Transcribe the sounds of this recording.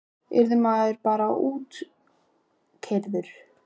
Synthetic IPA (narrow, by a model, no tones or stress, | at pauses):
ɛ̰ɾðʏmaːðʏɾpaːɾaʔuːt̪ | kʰeɾðʏɾ̥